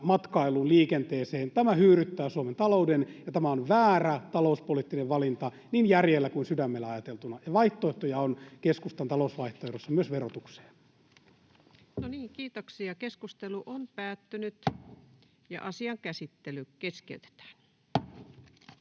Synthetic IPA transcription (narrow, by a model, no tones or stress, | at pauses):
mɑt̪kɑiluːnliːkent̪eːseːnt̪æmæhyːɾyt̪ːæːsuoment̪ɑloudenjɑt̪æmæonʋæːræt̪ɑlouspolit̪ːineʋʋɑlint̪ɑ | niːnjærjelːækuinsydæmːelːæɑjɑt̪elt̪unɑjɑʋɑiht̪oeht̪ojɑonkeskust̪ɑnt̪ɑlousʋɑiht̪oehdosːɑmyøsʋerot̪ukse̥ː | noniːŋkiːt̪oksiɑkeskust̪eluʔompæːt̪ːynyt̪ | jɑ̰ʔɑsiɑŋkæsit̪ːelykeskḛyt̪e̥t̪æ̥ːn